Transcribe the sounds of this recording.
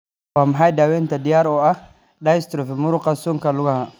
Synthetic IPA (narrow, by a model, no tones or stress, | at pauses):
wamɦajdawent̪adijaɾɔa | ɗaist̪ɾofimuɾuqasuŋkaluɡaha